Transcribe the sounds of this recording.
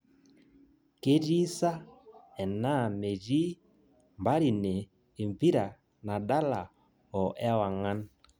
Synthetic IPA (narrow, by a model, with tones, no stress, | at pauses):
ke˦ɾi˦sa˦ɛ˨na˦˨me˨d͡ʒi˦ | mba˦ɾi˨neː˨ | mbi˦ɾa˨ | na˨da˦la˨ | ɔ˨ʔɛ˦wa˨ŋa˦n